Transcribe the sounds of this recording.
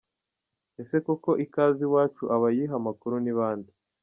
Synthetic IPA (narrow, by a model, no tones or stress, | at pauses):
e̞se̞kuko̞ʔikaːziwaːt͡ʃuʔaβajiɦamakuɾuniβaːndi